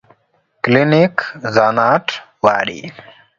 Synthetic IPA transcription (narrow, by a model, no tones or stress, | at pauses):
klinikzanaʈʰ | wa̰ːɾḭ